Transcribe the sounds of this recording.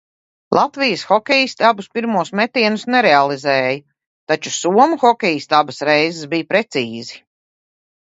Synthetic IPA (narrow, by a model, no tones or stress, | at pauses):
lˠʔat̪vijəsxɔkʲɛjist̪abuspiɾmuɔsmɛt̪iɛnusnɛɾɛalˠizɛːjɐ | t̪at͡ʃusuɔmuxɔkʲɛjist̪abɐsɾɛjzɪsbijpɾet̪siːzi